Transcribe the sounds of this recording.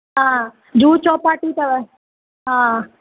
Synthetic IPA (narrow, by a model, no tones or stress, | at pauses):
ɦã | d͡ʒuːt͡ʃɔːpaːʈit̪ɐʋɛ | ɦã